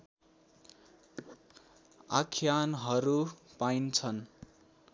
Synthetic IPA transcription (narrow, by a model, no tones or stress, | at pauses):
a̰kʰjanɦʌɾupaint͡sʰʌn